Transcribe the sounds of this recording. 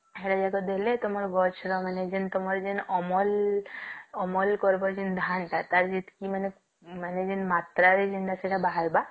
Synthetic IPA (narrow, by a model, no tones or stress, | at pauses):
eɽad͡ʒaɡɔd̪elet̪omɔɾɡɔt͡ʃʰɾɔmaned͡ʒent̪omɔɾd͡ʒenɔmɔl | ɔmɔlkɔɾbɔɾd͡ʒind̪ʱanʈat̪aɾd͡ʒit̪kimane | maned͡ʒenmat̪ɾaɾed͡ʒinʈ̪aseʈabaɦaɾba